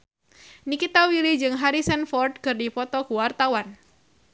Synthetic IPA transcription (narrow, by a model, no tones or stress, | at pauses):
nikit̪awilid͡ʒɨŋɦaɾisɛnfɔrd̪̚kɨrdipɔt̪ɔkuwart̪awan